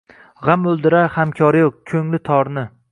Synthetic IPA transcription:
ʁamɵlˠd̪ɪɾahamkʲʰɒɾɪjokʲʰɵŋlɪt̪ʰɒɾnɪ

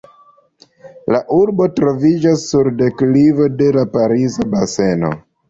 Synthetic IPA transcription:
laʔuɾbo̞tɾo̞vid͡ʒasːuɾde̞klivo̞de̞lapaɾizabase̞no̞̰

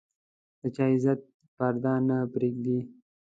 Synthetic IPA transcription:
d̪̥ət͡ʃɑɪzat̪̚ | paɾd̪ɑnapɾeɡ̚d̪i

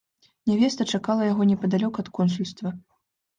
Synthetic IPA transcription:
nʲɛvʲɛst̪ɐt͡ʂakalˠɐjaɣɔnʲɛpɐd̪alʲɔkɐt̪kɔnsulʲst̪vɐ

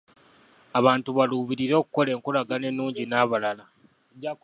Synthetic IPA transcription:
aβaːntuβaluːβiɾiɾo̞ːkuko̞le̞ːŋkulaɡane̞nːuːɲɟinaːβalala

